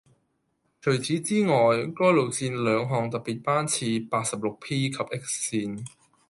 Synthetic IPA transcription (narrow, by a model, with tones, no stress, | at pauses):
t͡ʃʰɵ˨˩ɥt͡sʰiː˨˥t͡siː˥ŋɔː˨jkɔː˥jlo˨˩w̚siː˧nlœː˨˧ŋɦɔː˨˩ŋt̪ɐ˨k̚piː˨t̚paː˥nt͡sʰiː˧paː˧t̚sɐ˨p̚lʊ˨k̚pʰiː˥kʰɐ˨p̚ʔɪ˥k̚siː˧n